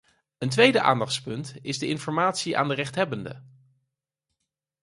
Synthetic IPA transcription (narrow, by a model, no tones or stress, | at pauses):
əntʋejdəʔa̰ːndɑχtspɵntɪzdəʔɪnfɔɹmaːtsiʔa̰ːndərɛχtɦɛbəndə̰